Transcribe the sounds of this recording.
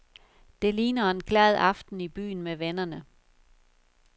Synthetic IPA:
d̥e̝liːnɐe̝nkʰlɛð̞ˠɑ̈fd̥n̩ib̥y̰ːn̩meʋenɐnə

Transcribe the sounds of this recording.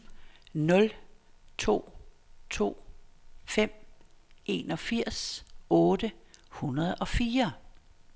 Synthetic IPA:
nɔ̽l | t͡sʰo̝̰ː | t͡sʰo̝̰ːfem̰ | e̝ːnɒ̽fiɐ̰sɔ̽ːd̥əhunɐð̞̩ˠɒ̽fiːɐ

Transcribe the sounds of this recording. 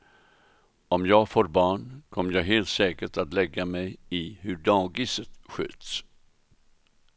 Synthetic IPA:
ɔmjɑːɡfoːɾbɑːɳkʰɔmːəɾjɑːɡɦeːlt̪sɛːkəʈat̪lɛɡːamɛjɪhɵɖɑːɡɪsət̪ɧø̰ːt̪s

